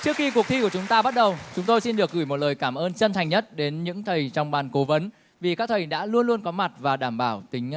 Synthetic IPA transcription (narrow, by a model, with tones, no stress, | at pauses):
t͡ɕɨ˦˥ək̚xi˧ku˨˩ək̚t̪ʰi˧ku˧˩t͡ɕʊ˨˦ŋ͡mt̪aː˧ɓa˦˥t̚ɗə˨˩wt͡ɕʊ˨˦ŋ͡mt̪o˧jsi˧nɗɨ˨˩ək̚ɣɨː˧˩jmo˨˩t̚ləː˨˩jkaː˧˩mʔəː˧nt͡ɕə˧nt̪ʰa˨˩jŋ̟ɲə˦˥t̚ɗe˨˦nɲɨ̰˧˥ŋt̪ʰə˨˩jt͡ɕɔ˧wŋ͡mɓaː˨˩nko˨˦və˨˦n | vi˨˩kaː˦˥k̚t̪ʰə˨˩jɗa̰ː˧˥lu˧ənlu˧ənkɔ˨˦ma˨˩t̚vaː˨˩ɗaː˧˩mɓaː˧˩wt̪ï˨˦ŋ̟